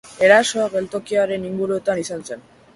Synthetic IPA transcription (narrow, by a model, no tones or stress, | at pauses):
eɾasoaβelt̪o̞kiaɾe̞niŋɡuɾuet̪anisant͡sen